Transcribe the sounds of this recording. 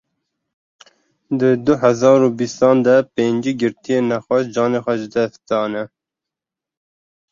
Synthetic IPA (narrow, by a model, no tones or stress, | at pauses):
d̪əd̪ʊɦæzɑːɾubist̪ɑːnd̪ɛpeːɲd͡ʒiɡɨɾt̪ijeːnæxɑʃd͡ʒɑːneːxʷɛʒɨd̪ɛst̪d̪ɑːnɛ